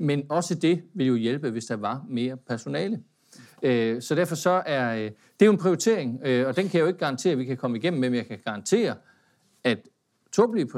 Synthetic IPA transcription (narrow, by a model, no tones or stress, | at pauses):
menɒ̽səd̥e̝ʋe̝ljo̝jelb̥əʋe̝sd̥ɑ̈ʋɑ̈me̝ːɐpʰæɐso̝nɛ̰ːlə | øsɒ̽d̥æɐfɒ̽sɒ̽æɐ | d̥e̝joenpʰʁioit͡sʰe̝̰ɐ̰eŋøɒ̽d̥enkʰæjoe̝ɡ̥ɡ̥ɑ̈ɑ̈nt͡sʰe̝̰ːɐʋikʰækʰɒ̽məiɡem̰m̩emjɑ̈ɪkʰæɡ̥ɑ̈ɑ̈nt͡sʰe̝̰ːɐ | æd̥ | t͡sʰob̥lipʰ